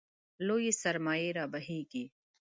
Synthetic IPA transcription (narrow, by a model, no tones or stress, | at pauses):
loːjisɐɾmaːjeːɾaːbɐɦiːkiː